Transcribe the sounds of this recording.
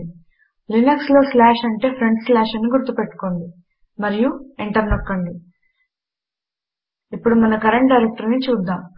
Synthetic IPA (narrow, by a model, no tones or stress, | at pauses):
linukslo̞ːslaːʃɐɳʈe̞ːpʰɾeɳɖslaːʃɐniɡuɾt̪ːupe̞ʈːu̥ko̞ɳɖi | mɐɾijueɳʈɐɾnɔkːɐɳɖi | ipːuɽumɐnɐkɐɾeɳʈ̚ɖɐjɾek̚ʈɐɾnit͡ʃuːd̪ːaːm